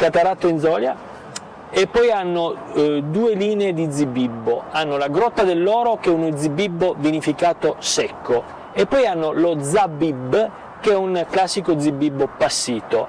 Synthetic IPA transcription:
kat̪aɾat̪ːoinzɔːlja̰ | epːɔjanːod̪uːeliːneːd̪id̪zibibːoanːolaɡɾɔt̪ːad̪elːɔːɾokɛunod̪zibibːovinifikaːt̪osɛkːo | epːɔjanːolod̪zabibː | keɛunklasːikod̪zibːibːopasːiːt̪o

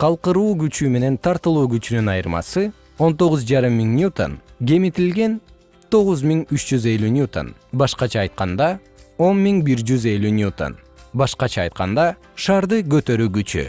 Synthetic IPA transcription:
qʰɑlˠqɯɾuːɡyt͡ʃyme̞ne̞nt̪ʰɑɾt̪ɯlˠuːɡyt͡ʃynynɑjɯɾmɑ̰sɯ | o̞nt̪o̞ʁʊzd͡ʒɑɾɯmːiŋnʲut̪o̰nɡʲe̞mit̪ilɡe̞n | t̪ʰo̞ʁuzmʲiŋyt͡ʃd͡ʒyze̞lʲynʲjut̪o̰nbɑʃqɑt͡ʃʰɑːjt̪̚qɑnd̪ɑ | o̞nmiŋbiɾd͡ʒyze̞lʲynʲjut̪o̰n | bɑʃqɑt͡ʃʰɑːjt̪̚qɑnd̪ɑ | ʃɑːɾd̪ɯɡø̞t̪ø̞ɾyːɡyt͡ʃy̰

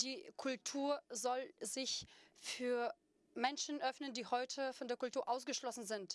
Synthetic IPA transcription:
d̥iːkʰʊltʰuːɐzɔlzɪçfyːɐ | mɛnʃn̩ʔœfnəndiːhɔʏtʰəfɔndeːɐkʊltuːɐʔaʊsɡ̥əʃlɔsn̩zɪnt

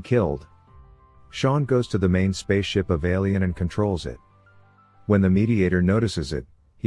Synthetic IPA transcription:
kʰɪlˠd̥ | ʃɑ̃nɡoʊz̥tʰɨðɨmẽɪ̃nspeɪsʃɪpʌveɪlˠiɨ̃ñɨ̃nkʰɨ̃ntʰɹ̥oʊlˠzɪ̰t̚ | wə̃nðɨmiɾieɪɾə˞noʊɾɨsɨzɪ̰t̚ | hi

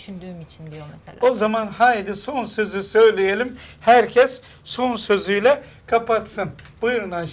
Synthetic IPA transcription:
ʃynd̪yːmit͡ʃʰind̪ijoozamanhajd̪iso̞nsø̞zysø̞jlʲijelʲimhæɾcʰɛs | so̞nsø̞zyjlʲɛ | kʰapat̪sɯnb̥ujɾɯna

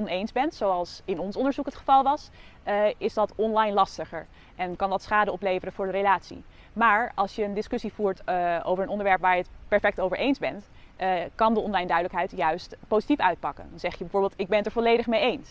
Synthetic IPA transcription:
ɔnejnzbɛntsowɑlˠsɪnɔnsɔndəɹzukɦətχəvɑlˠʋɑs | ɪzdɑtɔnlɑjnlɑstəχəɹ | ʔɛnkɑndɑtsχaːdəɔplejvərəvʊːɹdəɾelaːtsḭ | maːɹɑlˠsjəːndɪskɵsivuːɹto̰wvəɹənɔndəɹʋɛɹpʋaːɹjətpɛɹfɛk̚towvəɹʔejnzbɛnt | kɑndəɔnlɑjndœɥdələkɦɛjtjœɥstpowzitifœɥt̚pɑkə̰ndɑnzɛχjəbɛv̥ʊːbeːlˠtɪɡ̚bɛntəɹvɔlejdəχmejejns

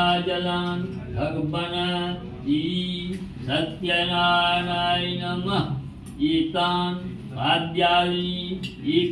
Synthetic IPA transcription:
aːd͡ʒɐlaːnbʱɐɡbɐnɐ | iisɐt̪jɐnaːnaːinɐmɐ | iːt̪aːn | bʱaːd̪jaːliiː

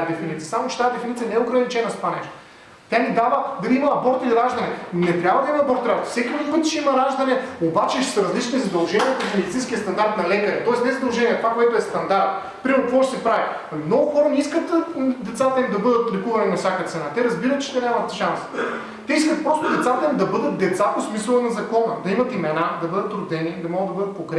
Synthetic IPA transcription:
d̪ɛfinit̪sijɐsamot͡ʃɛ̥t̪aːd̪ɛfinit̪sijɐnɛoɡɾɐnit͡ʃɛnost̪ovanɛʃt̪o̥ | t̪ʲanid̪avɐd̪ɐliimɐːboɾt̪ilɾaʒd̪ɐnɛnɛt̪ɾʲjabvɐd̪ɐimɐːboɾt̪ɾaʒt̪sɛkʲilud̪ovit̪ʃimɐɾaʒd̪ɐnɛobat͡ʃɛʃsɐɾɐzlit͡ʃnizɐd̪ɐlˠʒɛnʲiɛkɐsmɛd̪it̪ĩnskʲiəst̪ɐnd̪aɾt̪nɐlɛkɐɾɛt̪ɔɛsnɛzɐd̪ɐlˠʒɛniɛt̪ovakoɛt̪oɛst̪ɐnd̪aɾt̪ | pɾimɛɾnʊkvɔʃɛsɛpɾavi | mnɔɡʊxɔɾɐniskət̪d̪ɛt̪sat̪ɐimd̪ɐbɤd̪ət̪lɛkuvɐninɐfsʲjakɐt̪sɛnat̪ɛɾɐzbiɾɐt̪̚t͡ʃɛ̥t̪ɛnʲamɐt̪ʃans | t̪ɛiskət̪̚pɾɔst̪ʊd̪ɛt̪sat̪ɐimd̪ɐbɤd̪ət̪̚d̪ɛt̪saposmisəlˠənɐzɐkɔnɐd̪ɐimɐt̪imɛnad̪ɐbɤd̪ət̪ɾʊd̪ɛnid̪ɐmɔɡəd̪ːɐbɤd̪ət̪̚koŋkɾɛ

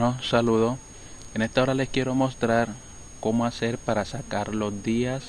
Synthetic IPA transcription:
osaluðo | ene̞st̪ao̞ɾale̞skje̞ɾo̞mo̞st̪ɾaɾ | ko̞moase̞ɾpaɾasakaɾlo̞zd̪ias

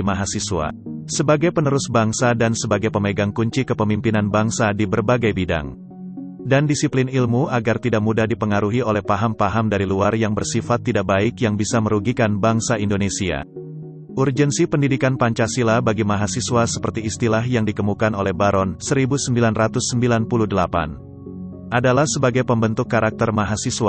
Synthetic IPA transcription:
maɦasisuwa̰səbaɡajpənəɾʊsbaŋsadansəbaɡajpəmeɡaŋkuɲt͡ʃikəpəmimpinanbaŋsadibərbaɡajbida̰ŋ | dandisiplinilmuaɡart̪idaʔ̚mudahdipəŋaɾuɦiolɛhpaɦampaɦamdaɾiluarjaŋbərsifat̪ːidak̚baɪkjaŋbisaməɾuɡikanbaŋsaindonesia̰ | ʔurd͡ʒənsipəndidikanpaɲt͡ʃasilabaɡimaɦasiswasəpərt̪iːst̪ilahjaŋdik̪əmukanolɛhbaɾɔnsəɾibusəmbilanrat̪ʊsːəmbilanpuluhdəlapa̰n | ʔadalahsəbaɡajpəmbənt̪ʊkːaɾak̚t̪ərmaɦasiswa

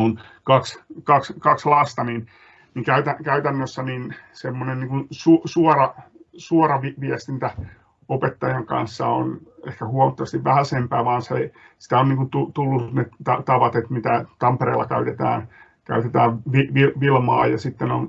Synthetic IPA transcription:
unkɑkskɑkskɑkslɑst̪ɑnin | niŋkæyt̪ækæyt̪ænːøsːæninsemːonenniːŋkunsusuɔrɑsuɔrɑʋiʋiæst̪int̪æ | opet̪ːɑjɑŋkɑ̰nsːɑo̰nḛhkæhuɑmɑt̪ːoʋɑst̪iʋʋæhæsempæːʋɑːnse | si̥t̪æonniŋkunt̪ut̪ulːunet̪ɑt̪ɑʋɑt̪et̪mit̪æt̪ɑmperḛːlːɑkæyt̪et̪æ̰ːn | kæ̰yt̪et̪æːʋʋiʋiʋilmɑ̰ːjɑsit̪ːenon

